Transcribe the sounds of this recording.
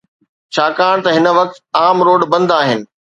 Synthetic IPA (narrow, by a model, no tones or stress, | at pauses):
t͡ɕʰaːkaːɽ̃t̪ɐɦɪnə̆ʋɐk̚t̪aːmɾoːɖbɐ̃nd̪aːɦɪnɪ̆